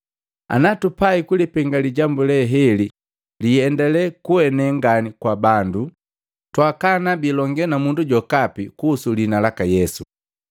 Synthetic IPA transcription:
a̰natupaikulipɛŋɡaliɟambulɛɦɛli | liɛndɛlɛkuwɛnɛŋɡanikwabandu | twakanabilɔŋɡɛnamunduɟɔkapikuːsulinalakajɛsu

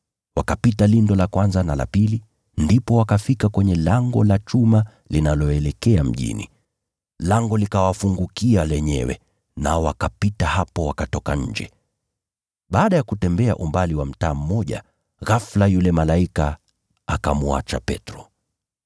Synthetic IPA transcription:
wakapitalindɔlakwanzanala̰pili | ndipɔwakafikakwɛɲɛlaŋɡɔlat͡ʃuma | linalɔɛlɛkɛam̩ʄḭnḭ | laŋɡɔlikawafuŋɡukialɛɲɛ̰wɛ̰ | naɔwakapitahapɔwakatɔka̰ɲ̩d͡ʒɛ̰ | ɓaːɗajakutɛmbɛaʔumbaliwam̩taːm̩mɔʄa̰ | ɣaflajulɛmalaika | akamua̰t͡ʃa̰pɛtɾɔ

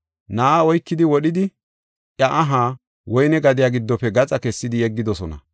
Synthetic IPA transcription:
naːaɔjkːɪd̪ɪwɔɗɪd̪ɪ | ʔjɐʔɐɦaː | wɔjnɛɡɐd̪ɪjaɡɪd̪ːɔpːɛɡɐt͡sʼɐkɛsːɪd̪ɪɛɡːɪd̪ɔsɔnɐ̰

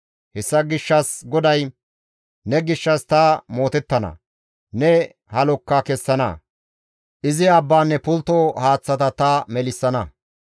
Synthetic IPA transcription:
hɛsːɐɡɪʃːɐsɡɔd̪ɐj | nɛɡɪʃːɐst̪ɐmo̞ːt̪ɛt̪ːɐnɐ̰ | nɛ | hɐlɔkːakɛsːɐnɐ̰ | ʔɪzɪɐbːaːnːɛpʊlt̪ohaːt͡sːɐt̪ɐt̪ɐmɛlɪsːɐnɐ

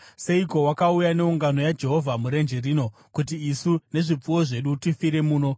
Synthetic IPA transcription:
se̞iko̞wakaujane̞uŋɡano̞jad͡ʒe̞ɦo̞vʱamuɾe̞nd͡ʒeriːno̞ | kutiisune̞ʐip͡fuwo̞ʐe̞ɗutifiɾe̞muːno̞

